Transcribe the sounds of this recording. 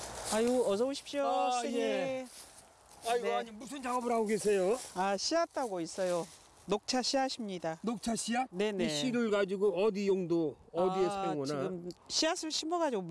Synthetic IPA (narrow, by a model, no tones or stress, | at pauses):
ajʌd͡ʑʌboɕʰi̥p̚ɕ͈osʰeei | ainʌaɲimusʰɯnt͡ɕaɡʌbɯɾɦaɡoɡesʰe̞joaɕʰiat͈aɡois͈ʌjo | nok̚t͡ɕʰaɕʰiaɕʰimɲidanok̚t͡ɕʰaɕʰiane̞neiɕʰiɾɯɭɡad͡ʑiɡoʌdijoŋdoʌdiesʰaŋɡʌniaɡɯmɕʰiasʰɯɭɕʰimʌɡad͡ʑiɡo